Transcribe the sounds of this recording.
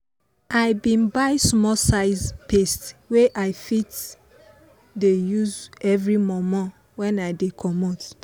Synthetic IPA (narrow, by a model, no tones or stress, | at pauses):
aɪbĩnbaɪsmɔsaɪzpestweʔaɪfit | dejuzɛvɹimɔmɔ | wɛ̃naɪdekʰɔmot